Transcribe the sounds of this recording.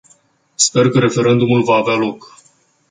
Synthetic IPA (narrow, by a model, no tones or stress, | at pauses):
spe̞rkəɾe̞fe̞ɾe̞nd̪umulvaːvealo̞k